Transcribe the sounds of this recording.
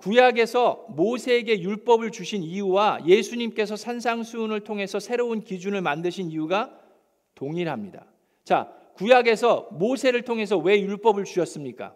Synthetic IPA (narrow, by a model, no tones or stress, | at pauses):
kujaɡe̞sʰʌmosʰe̞ːɡe̞juɭp͈ʌbɯɭt͡ɕuɕʰiniuwaje̞sʰuɲimk͈e̞s̬ʰʌsʰansʰaŋsʰunɯɭtʰoŋɦe̞sʰʌsʰe̞ɾounkid͡ʑunɯɭmandɯɕʰiniuɡa | toŋiɾɦamɲida̰ | t͡ɕa̰ | kujaɡe̞s̬ʰʌmosʰe̞ɾɯɭtʰoŋɦe̞s̬ʰʌwe̞juɭp͈ʌbɯɭt͡ɕuɕʰʌs͈ɯmɲik͈a̰